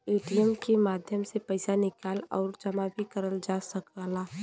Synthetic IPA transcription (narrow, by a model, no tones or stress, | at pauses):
eːʈijəmkemaːd̪ʱjəmsepɐɪsanɪkaːlɔːɾd͡ʒɐmabʱikəɾəld͡ʒaːsəkːla